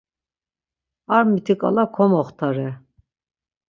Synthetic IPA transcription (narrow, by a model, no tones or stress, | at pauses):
aɾmit̪ʰikʼa̰lakʰɔmɔχt̪ʰaɾɛ